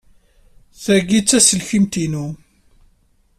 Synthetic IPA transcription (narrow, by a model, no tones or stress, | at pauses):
θæɡit͡sːæsəlçimt̪inu